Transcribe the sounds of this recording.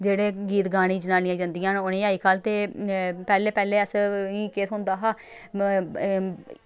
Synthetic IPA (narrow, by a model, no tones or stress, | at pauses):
d͡ʒeːɽeːɡiːt̪ɡaːɽ̃ĩːd͡ʒənaːniaːd͡ʒãːnd̪ɪjãːnʊnẽːaːiːkʰaːlt̪eːpɛːleːpɛːleːəsĩːkeːt̪ɦʊnd̪aːɦaː